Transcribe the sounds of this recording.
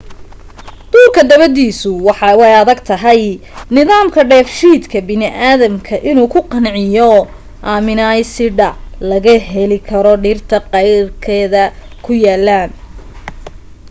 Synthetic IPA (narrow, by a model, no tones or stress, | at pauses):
d̪̥uːrkʰɐd̪ɐβɐd̪iːsʊwɑħɑwɛjɐðɐɡt̪ʰɐɦɛjnɪðaːmkʰɐɖɛːfʃiːd̪kʰɐbɪnɪʔaːðɐmkʰɐʔɪnuːkʰʊqɑnʕɪjɔ | ʔaːmɪnaːjsɪɖɐlɐɣɐɦɛlɪkʰɐɾɔɖiːrt̪ʰɐqɑjrkʰɛːðɐkʰʊjaːlːaːn